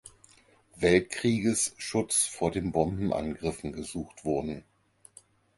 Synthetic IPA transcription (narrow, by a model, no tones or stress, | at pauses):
vɛltkʁ̥iːɡəsʃʊt͡sfoːɐdeːmbɔmbm̩ʔa̰nɡʁɪfn̩ɡəzuːxtv̥ʊɐdn̩